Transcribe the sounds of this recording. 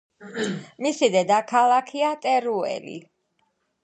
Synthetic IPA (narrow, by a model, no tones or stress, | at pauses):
misid̪ɛd̪akʰalˠakʰiat̪ʼɛɾuɛ̰lḭ